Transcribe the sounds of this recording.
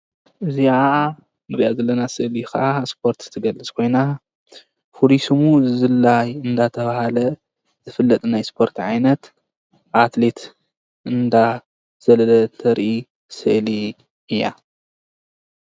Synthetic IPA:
ʔɨzia | mɨɾʔazɐlːɐnasɨʔlixaʔaspʰo̞ɾt̪t̪ʰɨɡɐlːɨt͡skʰo̞jna | fulisɨmuzɨlːajɨnd̪at̪ʰɐβahalɐ | zɨfɨlːɐt̪ʼnajspʰo̞ɾt̪ʰʕajnɐt̪ | ʔat̪le̞t̪ | ʔɨnd̪a | z̥ɐlɐlɐt̪ʰɐɾʔi | sɨʔli | ɨjːa̰

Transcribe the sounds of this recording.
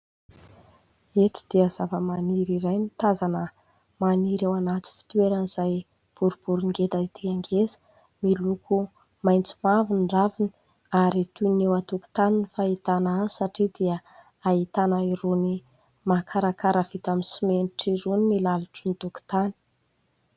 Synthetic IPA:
et̪i̥d̪̥iazavəmaniɾiɾajnit̪azanə | maniɾewanat̪i̥fi̥t̪uweɾənizaj | b̥uɾub̥uɾiŋɡet̪ait̪ʰiaŋɡezə̥ | milukʰu | majnt͡su̥mavinɳɖ͡ʐavini̥ | aɾit̪unewat̪uku̥t̪aninifait̪anazisaʈ͡ʂid̪iə | ait̪anaiɾuni | makʰaɾakaɾav̥it̪aminsimeniʈ͡ʂiɾuninilaluʈ͡ʂənit̪uku̥t̪ani̥

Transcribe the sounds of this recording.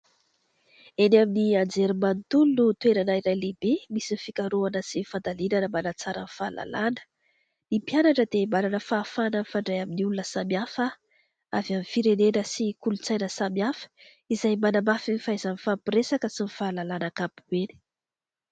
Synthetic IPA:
enaminiand͡zeɾimant̪ulunut̪weɾanaiɾajlebemisinfikaɾuanəsifand̪alinanəmanat͡saɾə̰nfalʔa̰lanə̥ | nimpjanaʈ͡ʂəd̪emalanəfaːfanənfaɳɖ͡ʐajaminiulunəsamiafə | a̰vjamifiɾenenəsikulut͡sajnəsamiafə̥ | izajmanamafinfaizanifampiɾesakəsinifalalanakapuweni̥

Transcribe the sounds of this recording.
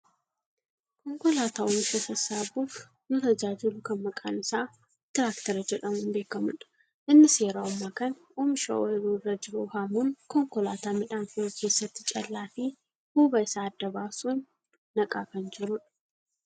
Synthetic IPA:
kɔŋkɔlaːt̪aːɔmɪʃɐsɐsaːbuːf | nɔt̪ɐd͡ʒaːd͡ʒɪlʊkɐnmɐkʼa̰ːnɪsaː | t̪ɪɾaːkt̪ɐɾɐd͡ʒɛᶑɐmunbe̞ːkɐmʊᶑɐ̥ | ʔɪnːɪse̞ːɾaːʊmːaːkɐn | ɔmɪʃɐ̰ʔɔɪɾuːrːɐd͡ʒɪɾuːhamuːnkɔŋkɔlaːt̪aːmɪᶑaːnfʊkʰe̞ːsːɐt̪ːɪt͡ʃʼɐlːaːfi | huːbɐɪsaːɐd̪ːɐbaːsuːnː | ɐkʼaːkɐnd͡ʒɪɾʊᶑɐ

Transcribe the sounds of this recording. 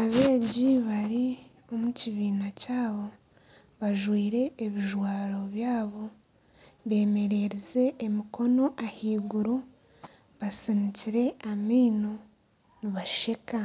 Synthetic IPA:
aβe̞ːɟiβaɾi | o̞muciβiːnacaːβo̞ | βaʒwiːɾe̞ːβiʒwaːɾo̞βjaːβo̞ | βe̞ːme̞ɾe̞ɾeze̞ːmiko̞no̞ʔahiːɡuɾo | βasiniciɾe̞amiːno̞ | niβaʃe̞ka

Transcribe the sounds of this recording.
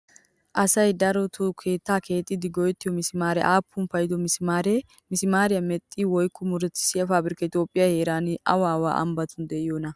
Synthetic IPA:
ʔɐsɐjd̪ɐɾɔt̪ʰʊkʰe̞ːt̪ːaːkʰe̞ːt̪ʼːɪd̪ɪɡɔjɛt̪ːɪjɔmɪsɪmaːɾɛʔaːpːʊnpɐjd̪ɔmɪsɪmaːɾɛ | mɪsɪmaːɾɪjɐmɛt̪ʼːiwɔjkːɔmʊɾɛt̪ːɪ̥sɪjɐfaːbɪɾɪkɐɪt̪jo̞ːpʼːɪjɐhe̞ːɾaːnɪʔɐ̰waːwa̰ːʔɐ̰mbɐt̪ʊnd̪ɛɪjoːnɐ

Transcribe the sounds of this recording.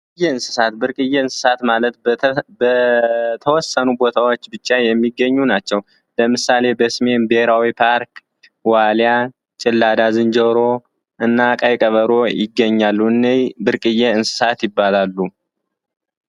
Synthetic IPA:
ɨjːeɨnsɨ̥sat̪bɨɾkʼɨjːeɨnsɨ̥sat̪malət̪̚bət̪ʰəwɔsːənubo̞t̪ʰawot͡ʃːbɨt͡ʃʼːajɛmːiɡːəɲːunat͡ʃːɛw | ləmɨsale̞bəsme̞nbeɾawipʰaɾk | walja | t͡ʃʼɪlːad̪azɨnd͡ʒəɾo̞ | ʔɨnːakʼajkʼəβəɾo̞jɪɡːəɲːalːuɨnːejbɨɾkʼɨjːeɨnsɨ̥sat̪jɪbːalalːu

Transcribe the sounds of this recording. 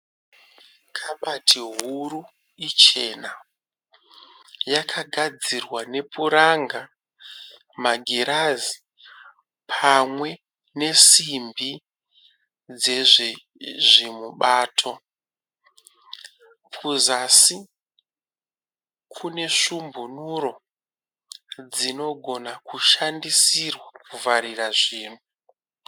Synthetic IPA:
kʰaɓatʰiɦuɾu | it͡ʃe̞na | jakʰaɡʱad͡zirwane̞puɾaŋɡa | maɡʱiɾazi | pʰamwe̞ | ne̞simbi | d͡ze̞ʐ | ʐimuɓaːtʰo̞ | pʰuzasi | kʰune̞ʂumbunuɾo̞ | d͡zino̞ɡʱo̞nakuʃandisirwakuvaɾiraʐiːn̤u

